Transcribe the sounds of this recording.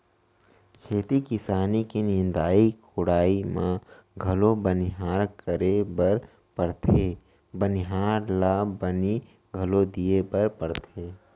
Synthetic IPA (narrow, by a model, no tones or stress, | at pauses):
kʰeːt̪ikɪsaːnikinɪ̃nd̪aːikʊɽaːimãɡʱɐlobənɪɦaːɾkəɾebəɾ | pəɾt̪ʰeː | bənɪɦaːɾlaːbəni | ɡʱɐlod̪iebəɾpəɾt̪ʰeː